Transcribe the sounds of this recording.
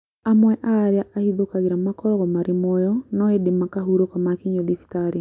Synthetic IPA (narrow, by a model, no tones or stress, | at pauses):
amwɛʔaɾjaʔahiðokaɣeɾamakɔɾɔɣɔmaɾɪmɔjɔnɔedemakaɦuɾokamakiɲoðiftaɾ